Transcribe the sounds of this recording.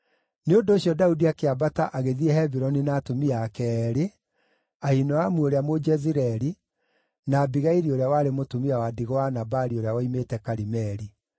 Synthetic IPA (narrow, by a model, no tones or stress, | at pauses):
neondoːɕjɔdaudiakeabataʔaɣeðiɛhɛbiɾɔninaːtomiakɛɾe | ahinɔamuoɾeamod͡ʒɛziɾɛɾi | naːbiɣaiɾioɾeawaɾemotumiawadiɣwanabaɾioɾeawaimetɛkaɾimɛɾi